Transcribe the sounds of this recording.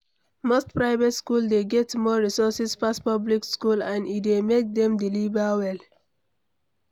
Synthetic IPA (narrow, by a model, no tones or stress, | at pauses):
mostpɹaɪvetskuldeɡɛtmɔɹisɔsispaspɔblikskulãnidemek̚dɛ̃mdilivawɛl